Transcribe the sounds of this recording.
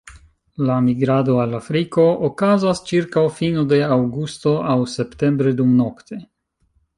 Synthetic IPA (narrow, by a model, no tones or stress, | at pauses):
lamiɡɾad̪o̞alafɾiko̞okazast͡ʃiɾkawfinod̪e̞awɡust̪o̞ʔawse̞pte̞mbɾe̞d̪umno̞kt̪e̞